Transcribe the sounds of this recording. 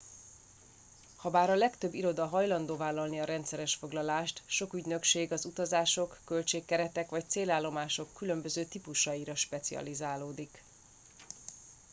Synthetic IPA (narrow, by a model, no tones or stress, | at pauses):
hɒbaːɾɒlɛkt̪ø̞bːiɾo̞d̪ɒɦɒjlɒnd̪oːvaːlːɒlniɒɾɛnt̪sɛɾɛʃfo̞ɡlɒlaːʃt̪ʃo̞kyɟnø̞kʃeːɡɒzut̪ɒzaːʃo̞kːølt͡ʃeːkːɛɾɛt̪ɛkʋɒc̚t̪seːlaːlːo̞maːʃo̞kːylø̞mbø̞zøːt̪ipuʃɒiɾɒʃpɛt̪siɒ̰lizaːloːd̪ik